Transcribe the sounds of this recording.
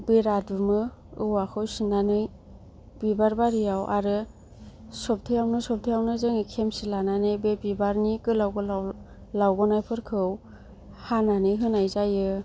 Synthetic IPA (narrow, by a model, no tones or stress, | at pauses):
biɾad̚ɯmɯ | ɯwakʰɯwsinanɯj | b̥ibaɾbaɾijawʔa̰ɾɯ | sɔp̚tʰɯjawnɯsɔp̚tʰɯjawnɯzɯŋikʰemsilananɯjbebibaɾnikɯlawɡɯla | lawɡɔnajpʰɯɾkʰɯw | hananɯjɦɯnajzajɯ